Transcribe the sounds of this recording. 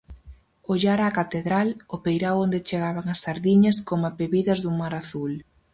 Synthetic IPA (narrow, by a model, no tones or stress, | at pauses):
oʎaɾaːkat̪eðɾalopejɾawond̪et͡ʃeɣaβaŋɐsθaɾðiɲɐskomapeβiðɐzðuŋmaɾaθul